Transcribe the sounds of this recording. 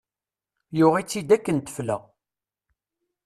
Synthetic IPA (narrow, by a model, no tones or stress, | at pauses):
jʊʁit͡sːid̪ækːənt̪ə̥flæ̰